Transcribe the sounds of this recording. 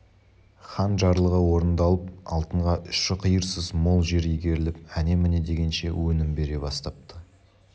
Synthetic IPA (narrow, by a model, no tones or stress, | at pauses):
χɑnʒɑɾlˠəʁəwo̞ɾənd̪ɑlˠəp̚ɑlˠt̪əɴʁɑʔʏʃɪqʰəjəɾsəzmo̞lˠʒe̞ɾijɡʲe̞ɾɪlɪp̚æne̞mɪne̞d̪e̞ɡʲe̞nʃe̞̰wɵnɪmbe̞ɾe̞bɑst̪ɑp̚t̪ə̥